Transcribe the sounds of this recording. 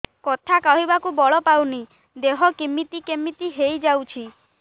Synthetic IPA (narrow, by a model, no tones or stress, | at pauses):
kɔt̪ʰakawɦibakubɔɭɔpawni | d̪eɦɔkimit̪ikemit̪iɦejd͡ʒawt͡ʃʰi